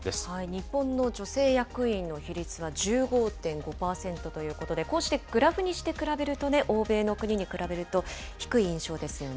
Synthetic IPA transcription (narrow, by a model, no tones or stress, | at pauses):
eaiɲ̟ipːõ̞nːo̞d͡ʑo̞se̞ːjakɯ̟ĩnːo̞çiɾʲit͡sɨβaʑɨːɡo̞ːt̪ẽ̞ŋɡo̞paːsẽ̞nt̪o̞t̪o̞jɯ̟ːko̞t̪od̪e̞ko̞ːɕi̥t̪e̞ɡ̥ɯ̟ɾaɸɯ̟ɲ̟iɕi̥t̪e̞kɯ̟ɾabe̞ɾɯ̟t̪o̞ne̞ʔo̞ːbe̞ːno̞kɯ̟ɲ̟iɲ̟ikɯ̟ɾabe̞ɾɯ̟t̪o̞ | çi̥kɯ̟iĩɰ̃ɕo̞ːd̪e̞sɨjo̞n